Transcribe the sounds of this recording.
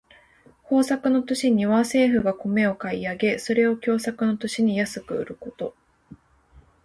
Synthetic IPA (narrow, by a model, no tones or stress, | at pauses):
ho̞ːsakɯ̟no̞t̪o̞ɕiɲ̟iβase̞ːɸɯ̟ɡako̞me̞o̞kaiaɡe̞so̞ɾe̞o̞kʲo̞ːsakɯ̟no̞t̪o̞ɕiɲ̟ijasɨkɯ̟ɯ̰ɾɯ̟ko̞t̪o̞